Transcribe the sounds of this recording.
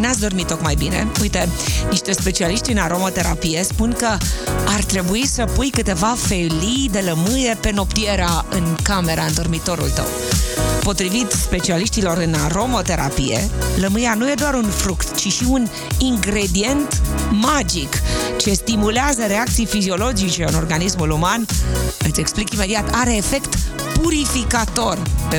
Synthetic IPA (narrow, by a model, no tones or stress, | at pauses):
neat̪s̬ʲd̪o̞rmit̪ːokmajbine̞̰ujt̪e̞niʃt̪e̞spe̞t͡ʃialiʃt̪ʲɨnaɾo̞mo̞t̪e̞ɾa̰pije̞spunkəart̪ɾe̞buisəpujkɨt̪e̞vafe̞lijd̪e̞ləmɨje̞pe̞no̞pt̪ie̞ɾeaɨnkame̞ɾaɨnt̪o̞rmit̪o̞ɾṵlt̪ə̰w | po̞t̪ɾivit̪spe̞t͡ʃialiʃt̪ilo̞ɾɨnaɾo̞mo̞t̪e̞ɾʔa̰pḭjḛləmɨjanuje̞d̪oaɾunfɾukt̪t͡ʃiʃiun | iŋɡɾe̞d̪ie̞nt̪mad͡ʒikt͡ʃe̞st̪imuleazəɾe̞ak̚t̪sijfizio̞lo̞d͡ʒit͡ʃe̞ɨno̞rɡanismulumanɨt̪sʲe̞ksplikime̞d̪iat̪aɾe̞ːfe̞kt̪puɾifikat̪o̞rpe